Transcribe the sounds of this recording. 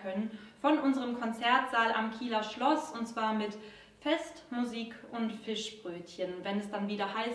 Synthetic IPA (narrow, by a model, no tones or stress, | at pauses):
kʰœnənfɔnʔʊnzəʁəmkʰɔnt͡sɛɐtz̥aːlʔa̰mkʰiːlɐʃlɔsʊntt͡sv̥aːɐmɪt | fɛstmuziːkʊntfɪʃb̥ʁøːtçənvɛnɛsd̥anviːdɐhaɪs